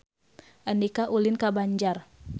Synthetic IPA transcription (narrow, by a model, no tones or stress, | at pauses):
ʔandikaʔulɪnkabaɲd͡ʒar